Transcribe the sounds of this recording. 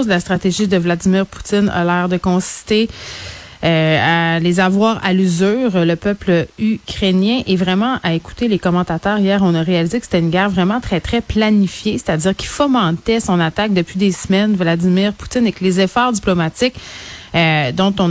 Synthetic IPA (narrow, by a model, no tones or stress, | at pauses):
zəlast̪χat̪eʒid̪əvlad̪imiːʁpu̥t̪ɪna̰lɛːʁd̪əkɔ̃si̥st̪e | øalezavwaːʁa̰lyzyːʁləpœpləykʲχenjɛ̃ʔevʁɛmɑ̃ʔaeku̥t̪elekɔmɑ̃t̪at̪œːʁijɛːʁɔ̃naʁealizekəse̥t̪ɛynɡʲɛːʁvʁɛmɑ̃t̪χɛt̪χɛplanifjese̥t̪ad͡z̪iːʁkʲi̥fɔmɑ̃t̪ɛsɔ̃nat̪ak̚d̪əpɥid̪esmɛnvlad̪imiʁpu̥t̪ɪnekəlezɛfɑːʁd̪iplɔmat̪ɪk | d̪ɔ̃t̪ɔ̃